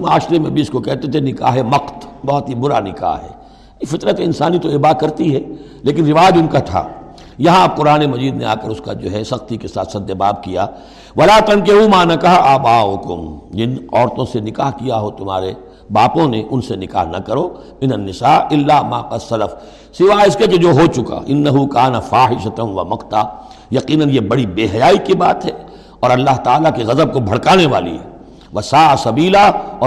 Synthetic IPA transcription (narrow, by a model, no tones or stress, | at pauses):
maːʃɾemẽbʱiʊskokɛɦt̪et̪ʰenɪka̰ːɦɦɛmɐqt̪bɐɦɔt̪ɦibʊɾanɪka̰ːɦɦɛ̰ː | efɪt̪ɾət̪eɪnsaːnit̪oebaːkɐɾt̪iɦɛ | leːkɪnɾɪʋaːjəd͡ʒʊnkat̪ʰa̰ː | jɐɦãb̚qʊɾaːnemɐziːd̪nḛa̰ːkəɾʊskad͡ʒo̰ːɦɛsɐxt̪ikesa̰ːt̪sɐd̪ːebaːb̚kijaː | ʋɐlaːt̪ɐ̃ŋkeɦumaːnɐkɐɦaʔaːbaːɦʊkʊmd͡ʒɪnɔːɾt̪õsenɪkaːɦkijaɦot̪ʊma̰ːɾe | baːpõneʔʊnsenɪka̰ːɦnɐ̰kɐɾoː | ɪnɐnːɪsaːɪlːaːmaːqɐsɐlɐf | sɪʋaːɪskeked͡ʒoːɦot͡ʃʊka̰ːʔɪnːɐɦukaːnɐfaːɦɪʃɐt̪ɐnʋɐmɐqt̪aː | jɐqiːnɐnjebɐɽibeːɦɐjaːikibaːt̪ɦɛː | ɔːɾɐlːaːɦt̪aːlakeɣɐzəb̚kobʱɐɽkaːneʋaːlḭɦɛː | ʋɐsaːʔasɐbiːlaɔː